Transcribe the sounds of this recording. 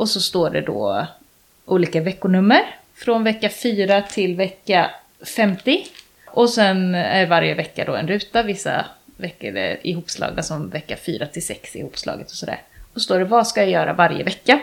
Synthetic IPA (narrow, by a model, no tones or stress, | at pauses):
ʔɔsɔst̪oːɖɛd̪ɔ̰ː | ʔuːliːkavɛkːʊnɵmːəɾ | fɾɔnvɛkːafyːɾat̪ʰɪlvɛkːa | fɛmt̪ɪ | ʔɔsɛnæ̰ɖɛvaɾjəvɛkːad̪ɔɛnɾʉ̟ːt̪avɪsːa̰vɛkːəɖɛ̰ɪɦuːpslɑ̰ːɡ̪asɔmvɛkːafy̰ːɾat̪ʰɪlsɛksɪ̰huːpslʔɑ̰ːɡət̪ɔ̥sɔd̪æ̰ːɾɔst̪oːɖɛvaskajajœːɾa̰vaɾjə̰vɛkːa